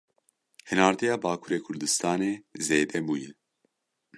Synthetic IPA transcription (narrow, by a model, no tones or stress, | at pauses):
hɨnaːɾt̪ijɑːbaːkʰuɾeːkʰʊɾd̪ɨst̪ʰɑːneːzeːd̪ɛbuːjɨ